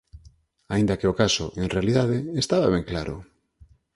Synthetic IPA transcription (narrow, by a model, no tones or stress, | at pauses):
aĩnd̪akeokaso̰ʔeŋrealiðaðeest̪aβaβɛŋklaɾʊ̰